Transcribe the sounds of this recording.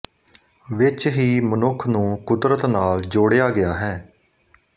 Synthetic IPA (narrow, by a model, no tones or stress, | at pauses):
ʋɪt͡ʃɦiːmənʊkʰnũːkʊd̪ɾət̪naːld͡ʒoːɽejaːɡɪjaːɦɛː